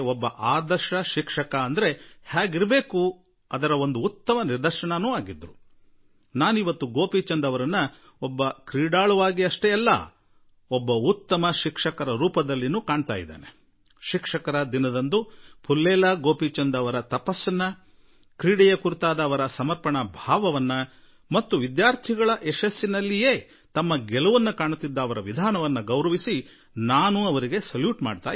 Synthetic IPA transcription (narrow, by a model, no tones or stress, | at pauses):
ɔbːɐʔaːd̪ɐɾʃɐʃikʂɐkɐːnd̪ɐɾe̞haːɡiɾbe̞ːku | ɐd̪ɐɾɐo̞nd̪uːt̪ːɐmɐniɾd̪ɐɾʃɐɳɐnuːaːɡid̪ɾu | naːnuiʋɐt̪ːuɡo̞ːpiːt͡ʃɐnd̪ɐʋɐɾɐnːɐ | ɔbːɐkɾiːɽaːɭuʋaːɡiɐʂʈɛɛlːɐ̰ | ɔbːɐut̪ːɐmɐʃikʂɐkɐɾɐɾuːpɐd̪ɐlːinuːkaːɳt̪a̰ːjid̪ḛːne | ʃikʂɐkɐɾɐd̪inɐd̪ɐnd̪upʰulːɛːlɐɡoːpiːt͡ʃɐnd̪ɐʋɐɾɐt̪ɐpɐsːɐnːɐ | kɾiːɽɛjɐkuɾut̪aːd̪ɐːʋɐɾɐsɐmɐɾpɐɳɐbʱaːʋɐʋɐnːɐ | mɐt̪ːuʋid̪jaːɾt̪ʰiɡɐɭɐʔɛʃɐsːinɐlːije̞ː | t̪ɐmːɐɡɛluʋɐnːɐkaːɳut̪ːid̪ːɐːʋɐɾɐʋid̪ʱaːnɐʋɐnːɐɡɐwɾɐʋisi | naːnuɐʋɐɾiɡe̞sɐljuːʈma̰ːɖt̪a̰ː